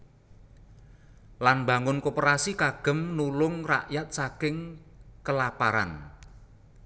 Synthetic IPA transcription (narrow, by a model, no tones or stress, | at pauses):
lanba̤ŋʊnkopəɾasikaɡ̥ə̤mnulʊŋra̰ʔjat̪̚sakɪŋ | kəlapaɾa̰n